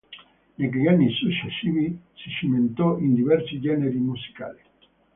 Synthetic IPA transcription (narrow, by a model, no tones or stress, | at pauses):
nek̬ejanːisut͡ʃːesiβisisiment̪ɔʔind̪iβɛɾsid͡ʒɛneɾimusi̥ka̰li